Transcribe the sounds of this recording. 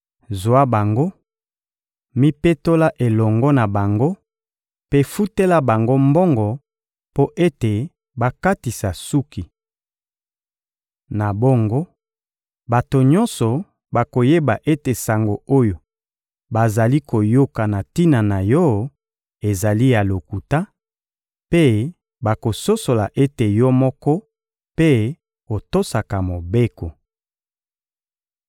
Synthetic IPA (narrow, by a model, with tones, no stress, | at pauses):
zwa˦ba˨ŋɡo˦ | mi˦pe˦to˦la˦ʔe˨lɔ˨ŋɡɔ˦na˨ba˨ŋɡo˦ | pe˦fu˦te˦la˦ba˨ŋɡo˦mbɔ˦ŋɡɔ˨ | po˦ʔe˦te˨ | ba˦ka˦ti˨sa˨su˦ki˨ | na˨bɔ˦ŋɡo˦ | ba˨to˨ɲɔ̃˦nsɔ˨ | ba˨ko˨je˦ba˨ʔe˦te˨sa˨ŋɡo˨o˦jo˨ | ba˨za˨li˦ko˨jo˦ka˨na˨ti˦na˨na˨jɔ˦ | e˨za˨li˦ja˨lo˨ku˨ta˦ | pe˦ | ba˨ko˨so˦so˨la˨ʔe˦te˨jɔ˦mɔ˦kɔ˦ | pe˦ | o˨to˦sa˨ka˨mo˨be˦ko˨